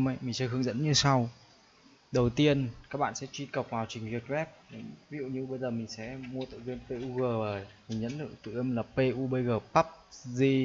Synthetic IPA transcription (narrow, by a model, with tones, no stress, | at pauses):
ma˨˦jmi̟˨˩sə˧ɦɨ˧əŋzə̰˧˥nɲɨ˧sa˧w | ɗə˨˩wt̪i˧ənkaː˦˥k̚ɓa̰ː˧˨nsɛ̰˧˥t͡ɕwi˧kə˨˩wk͡p̚vaː˨˩wt͡ɕï˨˩ŋ̟vi˨˩t̚vɛ˦˥p̚n˧˩vi˦˥zṵ˧˨ɲɨ˧wɓə˧jzəː˨˩mï˨˩ŋ̟sɛ̰˧˥mu˧ət̪ɨ̰˧˨zi˧npe˧ʔu˧ɣəː˨˩vəː˨˩jmï˨˩ŋ̟ɲzə̰˧˥nt̪ɨ̰˧˨t̪ɨ̰˧˨ʔe˧mlaː˨˩pe˧ʔu˧ɓə˧jɣəː˨˩pa˦˥p̚zi˧